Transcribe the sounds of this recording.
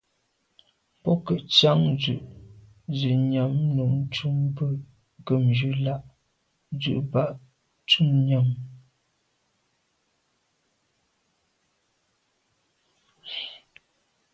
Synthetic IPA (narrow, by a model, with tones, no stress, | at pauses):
pɔ˦kə˨ʔt͡ʃa˦ŋzʉ˨ʔ | zi˨ɲa˨m˦nu˨ŋ˦t͡ʃu˦mbə˦ | ɡə˨md͡ʒʉ˦la˦ʔ | zʉ̰˨ʔba˦˨ʔ | tu˦mɲa˨m